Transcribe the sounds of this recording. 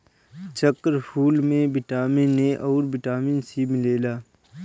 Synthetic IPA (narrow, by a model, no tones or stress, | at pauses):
t͡ʃəkɾpʰuːlmẽbɪʈaːmɪnːeʔɔːɾbɪʈaːmɪnsimɪleːlaː